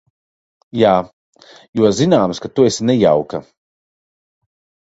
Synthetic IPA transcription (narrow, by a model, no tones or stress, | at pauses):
jaː | juɔzinaːmskat̪uesʲnɛja̰wka